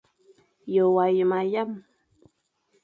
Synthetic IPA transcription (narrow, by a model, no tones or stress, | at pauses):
jowajmajam